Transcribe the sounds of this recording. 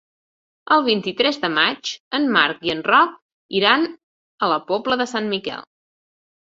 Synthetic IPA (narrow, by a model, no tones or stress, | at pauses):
əlˠβ̞int̪it̪ɾɛzðəmat͡ʃənmaɾkiənrɔk̚ | iɾan | ələpɔbləðəsanmikɛ̰lˠ